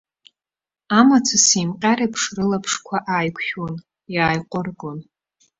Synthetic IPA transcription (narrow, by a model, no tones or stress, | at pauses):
amat͡sʰasimqʲʼaɾapʰʂrɨlapʰʂkʷʰaʔaːjkʷʰχon | jaːjqʷʼʊrɡʼon